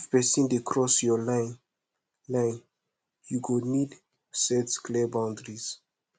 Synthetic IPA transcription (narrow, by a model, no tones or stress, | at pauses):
fpɛsɛ̃ndekʰɹɔsjɔlan | lãjn | juɡonid | sɛtsklɛbãw̃ndɹiz